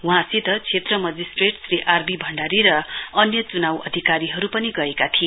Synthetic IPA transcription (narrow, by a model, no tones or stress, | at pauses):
wɦãsit̪ʌt͡sʰet̪rʌmʌd͡zisʈreʈsriʔarbibʱʌɳɖaɾiɾʌʌnjʌt͡sunawʌ̰d̪ʱikaɾiɦʌɾupʌniɡʌekat̪ʰi